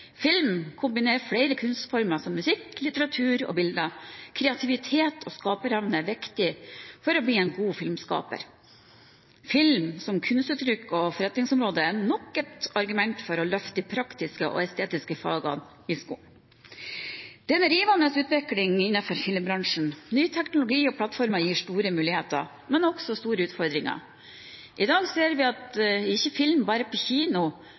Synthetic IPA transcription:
fɪlmkʰʊmbɪneːɾfɽɛɪɾəkʰʉnst̪fɔɾməsɔmːʉsɪklɪt̪əɾɑt̪ʰʉːɾɔ̰ːbɪld̪ɑkʰɾɛɑt̪ʰɪʋɪt̪ʰeːt̪ʰɔːskɑːpəɾɑʋnəʋɪkt̪ɪfɔɾɔbɽiːɛɪnɡuːfɪlmskɑ̰ːpə̰ɾ | fɪlmsɔmkʰʉnst̪ʉːt̪ʰɾʏkːɔfɔɾɛt̪nɪŋsɔmɾoːd̪əænɔkət̪ɑɾɡʉmɛnt̪fɔɾɔlœft̪əpʰɾɑkt̪ɪskəʔɔ̰ːɛst̪ʰeːt̪ɪskəfɑ̰ːɡɑ̰ | ɪskṵːn | d̪̥ɛnɾiːʋɑnəsʉːt̪ʋɪklɪŋɪnːɑfɔɾfɪlmbɾɑŋʂɳ̩nyːt̪ʰɛknʊlʊɡiːɔpʰlɑt̪fɔɾmɑjiːʂt̪uːɾəmʉːlɪheːt̪ɑ̰ | mɛnɔksɔst̪uːɾəʉːt̪fɔɾd̪ɾɪŋɑ̰ | ʔɪd̪ɑːɡseːɾʋɪɑt̪ɪçːəfɪlmbɑːɾəpʰɔçiːnʊ

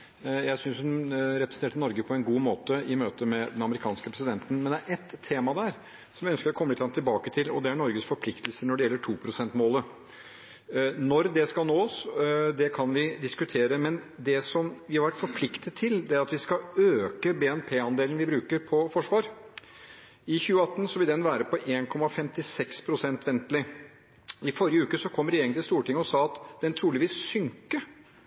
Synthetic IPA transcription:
jæɪsʏnsɔɾɛpɾsn̩eːʈənɔɾɡəpʰɔɛnɡuːmoːt̪əɪmøːt̪əmɛd̪ɛnɑməɾɪkʰɑːnskəpʰɾɛsɪd̪ɛnt̪n̩mɛnd̪ɛæɾʔɛt̪ʰːeːmɑd̪æɾ | sɔmʋjɪœnskəɾɔkʰɔmːlɪt̪lɑŋt̪ʰːɪlbɑːkət̪ʰɪlɔd̪ɛæɳɔɾɡəsfɔɾpʰlɪkt̪lsənɔɖɛjɛlːəʈʰuːpʰɾʊsɛnt̪moːlə | nɔɾd̪ɛskɑlnoːsd̪ɛkʰɑnʋɪd̪ɪskʉt̪ʰeːɾəmɛnd̪ɛsɔmʋɪhɑɾʋæʈfɔɾpʰlɪkt̪ʰət̪ʰːɪld̪ɛæɾɑt̪ʋɪskɑøːkəbɛːɛnpʰeːɑnd̪eːln̩ʋɪbɾʉːkəɾpʰɔfɔʂʋɑːɾ | ɪçʉːəɑt̪ːn̩sɔʋɪld̪ɛnʋæːɾəpɔʔeːnkʰɔmːɑfɛmt̪ɪsɛkspʰɾʊsɛnt̪ʋɛnt̪lɪ | ɪfɔɾɪjəʉːkəsɔkʰɔmːɾɛeːɾɪŋt̪ɪlst̪uːʈɪŋːəɔsɑːɑt̪d̪ɛnt̪ʰɾuːlɪʋiːsːʏŋkə

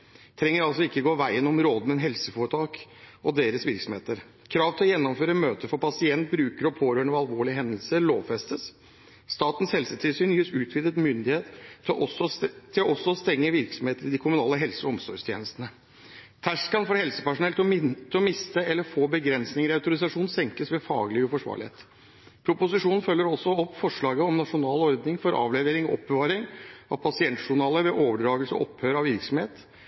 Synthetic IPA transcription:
t̪ʰɾɛŋːəɾɑlsɔɪkːəɡoːʋæɪənɔmɾoːd̪əmɛnɦɛlsəfoɾət̪ʰɑːkɔd̪eːɾəsʋɪɾksɔmheːt̪əɾ | kʰɾɑːʋt̪ʰɪlɔjɛnːɔmføːɾəəmøːt̪əfɔɾpɑsɪɛnt̪̚bɾʉːkəɾɔpʰoːɾøːɳuːɑlʋoːɭɪɦɛnd̪əlsəloːʋfɛst̪əs | st̪ɑːt̪ən̩shɛlsət̪ʰɪlsyːnjɪːsʉːt̪ʰʋɪd̪ət̪mʏnd̪ɪheːt̪ | t̪ʰɪlɔɔsːɔɔst̪ɛŋːəʋɪɾksɔmheːt̪əɾɪd̪ɪkʰʊmʉnɑːlːəɦɛlsəɔɔmsɔʂt̪ʰjḛːnəst̪ənə | t̪ʰæʂkɑnfɔɾhɛlsəpæʂʊnɛlt̪ɔt̪ʰɪlɔmɪst̪əɛlːəɾfoːbəɡɾɛnsnɪŋəɾɪɑʉt̪ʊɾɪsɑʂuːnsɛŋkəsʋɛfɑ̰ːɡlɪʉfɔʂʋɑ̰ːɾɭɪḛːt̪ | pʰɾʊpʊsɪʂuːnn̩fœlːəɾɔsɔɔpːfɔʂɭɑːɡəɔmnɑʂʊnɑːlɔɾd̪nɪŋfɔɾʔɑ̰ːʋlɛʋeːɾɪŋɔʔɔp̚bəʋɑːɾɪŋɑʋpʰɑsɪɛnt̪ʂʊɳɑːləʋɛʔoːʋəɖɾɑːɡəlsɔ̰ʔɔphøːɾɑʋɪɾksɔmheːt̪

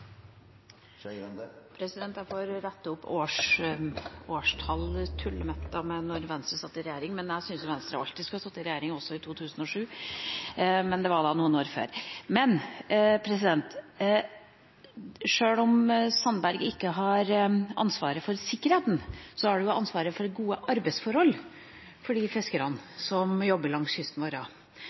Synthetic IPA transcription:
pʰɾɛsɪd̪ɛnt̪jæfoːɾɾɛt̪ːəʊpːoːʂ | oːʂt̪ʰɑlt̪ʰʉlːəmɛt̪ːɑmɛnɔɾʋɛnst̪ɾəsɑt̪ːɪɾɛjeːɾɪŋmɛnjæɪsʏnsjʊʋɛnst̪ɾəɑʋɑ̰lt̪ɪskɑsɑt̪ːɪɾɛjeːɾɪŋɔsːɔɪt̪ʰuːt̪ʰʉːsənɔʂʉː | mɛnd̪ɛʋɑɖɑːnuːənoːɾfø̰ːɾmɛnpʰɾɛsɪd̪ɛnt̪ | ʂøːlɔmsɑnːbæɾɡɪkːəɦɑɾʔɑ̰nsʋɑːɾəfɔɾsɪkːəɾheːt̪n̩sɔhæɖʉjʊʔɑnsʋɑːɾəfɔɾɛɡuːəʔɑɾbæɪsfɔɾhɔl | fɔɖiːfɛskəɾɑnsɔmjɔbːəɾlɑŋsʏst̪n̩ʋoːɾɑː

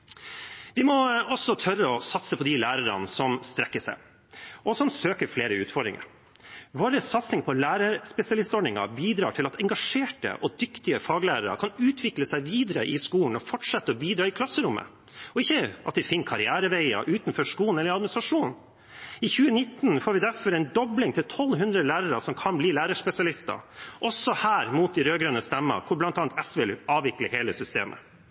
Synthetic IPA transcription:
ʋɪmɔɔsɔt̪ʰœrːəɔsɑt̪səpʰɔd̪ɪlæːɾəɾə̰nsɔmst̪ɾɛkːəʂæ̰ɪ | ʔɔsɔmsøːkəɾfleːɾəʉːt̪fɔɖɾɪ̰ŋə̰ɾ | ʋoːɾəsɑt̪snɪŋpʰɔlæːɾəɾspɛsɪɑlɪst̪ɔɳɪŋɑ̰biːd̪ɾɑ̰ːʈʰɪlɑt̪ɛŋɡɑʂeːʈə̰ʔɔd̪ʏkt̪ɪəfɑːɡlæːɾəɾə̰kʰɑnʉːt̪ʰʋɪkləsæɪʋiːd̪əɾəʔɪskuːln̩ɔfɔʈʂɛt̪ːəɔbiːd̪ɾɑːɪkʰlɑsːəɾʊmːə̰ | ɔɪçːəʔɑt̪̚ɪfɪnːkʰɑɾɪæːɾəʋæɪɑ̰ʔʉːt̪nfɔʂkuːn̩ɛlːəɾɑd̪mnɪsɾɑʂuːn | ɪçʉːənɪt̪ːn̩foːɾʋɪd̪æɾfɔɾɛɪnd̪ɔblɪŋt̪ʰɪlt̪ʰɔlːɦʉnd̪ɾəlæːɾəɾəsɔmkʰɑnbliːlæːɾəʂpɛsɪɑlɪst̪ɑ̰ʔɔsɔhæːɾmuːt̪̚d̪iɾøːɡɾønəst̪ɛmːə̰kʰʊɾblɑnt̪ɑːnt̪ɛsʋɪlɑːʋɪkləheːləsʏst̪ḛːmʔə̰

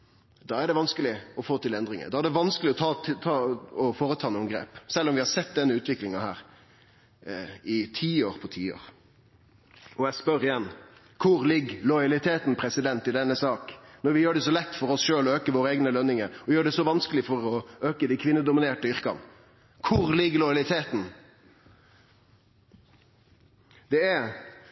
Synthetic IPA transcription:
d̪ɑːæɖɛʋɑnskəlɪɔfoːt̪ɪlɛnd̪ɾɪŋə̰d̪ɑːæɖɛʋɑnskəlɪɔt̪ʰɑt̪ʰɑːɔfoːɾət̪ʰɑːnɔmɡɾḛːpsɛlːɔmʋɪhɑɾsɛt̪ːd̪ɛnːəʉːt̪ʰʋɪklɪŋɑhæ̰ːɾ | ɪt̪ʰiːoːʁpʰɔt̪ʰiːo̰ːʁ | ɔjæspœɾɪjɛnː | kʰʊɾlɪɡːlɔɪɑlɪt̪ʰeːt̪n̩pʰɾɛsɪd̪ɛnt̪ɪd̪ɛnːəsɑːknɔɾʋɪjøːɖɛsɔlɛt̪ːfɔɾɔsʃøːlɔøːkəʋoːɾəeːɡnəlœnːɪŋəɔjøːɖɛsɔʋɑnskəlɪfɔɾɔøːkəd̪ɪkʰʋɪnːəd̪ʊmɪneːʈəʏʁkɑ̰n | kʰʊʁlɪɡːlɔjɑlɪt̪ʰeːt̪n | d̪̥ɛæɾ

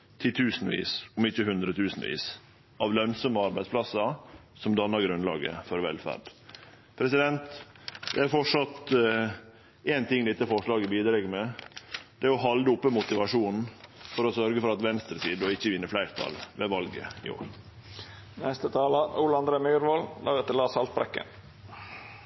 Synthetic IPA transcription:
t̪ʰɪt̪ʰʉːsn̩ʋḭːsɔmɪçːəhʉnd̪ɾət̪ʰʉːsn̩ʋḭːs | ʔɑʋlœnsɔməɑɾbæɪspʰlɑsɑsɔmd̪ɑnːɑɾɡɾʉnlɑ̰ːɡə̰fɔɾʋɛ̰lfæ̰ɾɖ | pʰɾɛsɪd̪ɛnt̪d̪ɛæɾfɔʈʂɑt̪ | eːnt̪ɪŋːd̪ɛt̪ːəfɔʂɭɑːɡəbiːd̪ɾɛɡmɛ | d̪̥ɛæɔɦɑld̪əʊpːəmʊt̪ɪʋɑʂuːnn̩fɔɾɔsœɾɡəfɔɾɑt̪ʋɛnst̪ɾəsiːd̪ɔɪçːəʋɪnːəflæɪɾt̪ʰɑ̰lʋɛʋɑlɡə̰ɪ̰o̰ːɾ | nɛst̪ət̪ʰɑːlɑuːləɑnd̪ɾeːmyːɾʋɑld̪ɑ̰ːɡət̪əlɑːsɑlt̪̚bɾɛ̰kːə̰n

